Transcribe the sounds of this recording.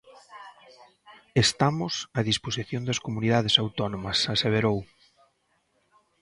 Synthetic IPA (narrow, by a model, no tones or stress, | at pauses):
est̪amʊsɐðisposiθjõnd̪ɐskomuniðað̞esawt̪ɔnomɐsaseβ̞eɾow